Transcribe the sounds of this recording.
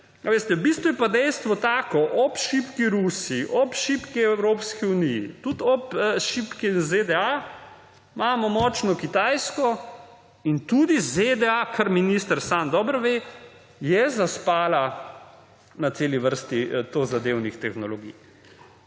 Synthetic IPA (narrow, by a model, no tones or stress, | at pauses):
aʋest̪ɛwbiːst̪ʋujɛpad̪ɛjst̪ʋɔt̪aːkɔʔɔpʃipkiɾusiiʔɔpʃipkiɛwɾoːpskiunijḭt̪ut̪ɔpʃipkinzed̪ɛa | maːmɔmɔːt͡ʃnɔkit̪ajskɔ | int̪ud̪ized̪ɛakʰəɾminist̪əɾsamd̪ɔːbɾʋe | jɛzaspaːla | nat̪seːliʋəɾst̪it̪ozad̪ewnixt̪ɛxnɔloɡḭj